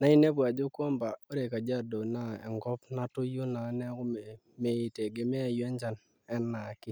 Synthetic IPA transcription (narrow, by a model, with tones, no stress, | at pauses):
na˨˦i˦ne˦pwa˨d͡ʒo˦kwɔ˦mba˨o˦ɾe˨ka˨d͡ʒa˦do˨na˦˨ɛ̰˨ŋɡɔ˦pna˦tʊ˦ju˦na˨˦nɛ˦kʊ˦m˨ | me˨i˨te˨ɡe˨mɛ˦a˨jwɛ˦ɲd͡ʒa˨n | ɛ˦nːa˨kɪ˦